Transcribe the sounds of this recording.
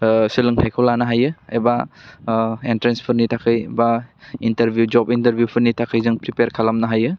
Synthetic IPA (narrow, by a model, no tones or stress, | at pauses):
silɯŋtʰajkʰolanɐɦajɯeba | entɾenspʰɯɾnitʰakʰɯjbainteɾbʱjud͡ʒɔpinteɾbʱjupʰɯɾnitʰakʰɯjzɯŋpɾipeɾkʰalamnɐɦajɯ